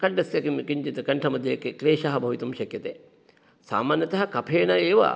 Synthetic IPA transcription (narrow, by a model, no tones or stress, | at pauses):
kɐɳɖɐsjɐkimkiɲd͡ʒit̪ɨkɐɳʈʰɐmɐd̪ʱɐjɐkːekleːʃaɦɐbʱɐʋit̪umʃɐkjɐt̪e | sa̰ːmaːnjɐt̪ɐɦɐkɐpʰeːnɐeːʋɐ̰